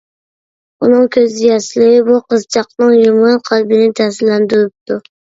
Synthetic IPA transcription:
unɨŋkʲʰøzɪjɑsɪlɪɪbuqʰɨzt͡ʃʰɑqnɨŋjomɑnqʰɑlbɪnɪt̪ʰæsɪllænd̪yɾɪp̚t̪ʰʊ

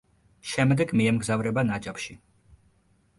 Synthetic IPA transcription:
ʃɛmd̪ɛɡmiɛmɡzavɾɛbanat͡ʃʼapʃi

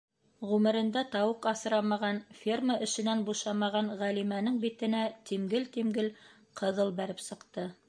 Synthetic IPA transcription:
ʁʉmɘ̆ɾɘ̆nd̪æt̪ɑwɤqɑsɤ̆ɾɑmɑʁɑnfʲirməʔɘ̆ʃɘ̆nænbuʃɑmɑʁɑnʁælimænɘŋbit̪ɘ̆næt̪imɡɘlt̪imɡɘl | qʰɤ̆ðɤlˠbæɾɘpsɤ̆qt̪ɤ

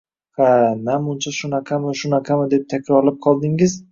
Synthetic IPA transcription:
hanamʊnt͡ʃʰaʃʊnaqʰɑmɪʃʊnaqʰɑmɪd̪ep̚t̪ʰakʲɾɒɾlap̚qʰɒlˠd̪ɪŋɪz

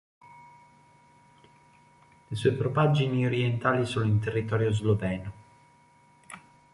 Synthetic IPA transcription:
lesuepɾopad͡ʒinioɾjent̪aːlisoːnoint̪erːit̪ɔːɾjozlovɛno

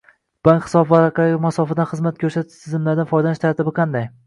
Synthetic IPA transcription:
b̥aŋkʲhɪ̥sɒbvaɾaqɑɪmasɒfɪd̪anχɨzmat̪̚kʰʲɵɾʃat̪t̪ʰɪzɪmlaɾd̪anfɒjd̪anɪʃt̪ʰaɾt̪ʰɪbɪqʰɑnd̪aj

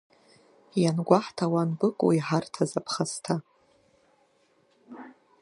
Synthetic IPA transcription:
janɡʷaħtʰawanbɨkʼwiħartʰazapʰχastʰa

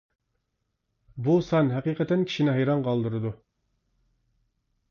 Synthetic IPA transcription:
busɑnɦɛqiːqɛt̪ɛnkʲʰi̥ʃinɪɦɑjɾɑnqʰɑlˠd̪ɨɾɨd̪u

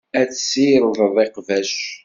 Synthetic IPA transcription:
æt͡sːsijɾˤðˤəðˤeqvæʃ

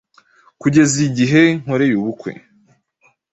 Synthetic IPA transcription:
kuɟe̞ziɟiɦe̞ŋ̥ho̞ɾe̞juβukwḛ

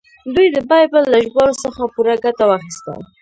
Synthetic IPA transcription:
d̪ujd̪əbɑjbəlːaʒɡɑlosəxapuɾaɡat̪awaxist̪ə̰l

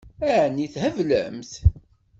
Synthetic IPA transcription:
æʕnːiθhəvlə̰mθ

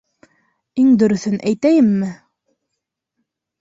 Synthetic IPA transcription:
iŋd̪ɵ̆ɾɵ̆θɵnʔæjt̪æjɘmːɘ

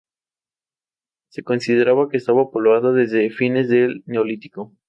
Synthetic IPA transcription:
se̞ko̞nsiðe̞ɾaβake̞ːst̪aβapoloaðoðe̞zðe̞fine̞zðe̞lne̞olit̪i̥ko

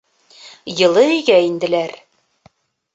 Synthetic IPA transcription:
jɤ̆lˠɤiɡæind̪ɘ̆læɾ

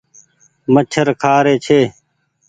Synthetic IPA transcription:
mət͡ʃʰəɾkʰaːɾeːt͡ʃʰeː

